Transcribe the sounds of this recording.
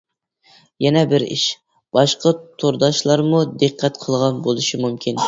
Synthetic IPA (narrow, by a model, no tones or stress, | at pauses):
jɛnɛbɪɾḭʃ | b̥ɑʃqɑt̪ʰoɾd̪ɑʃlˠɑɾmud̪eqʰːɛt̪qʰəlˠʁɑnbolˠɨʃimumkʲin